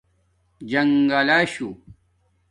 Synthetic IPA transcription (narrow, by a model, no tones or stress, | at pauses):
d͡ʑɐŋɡalaːɕu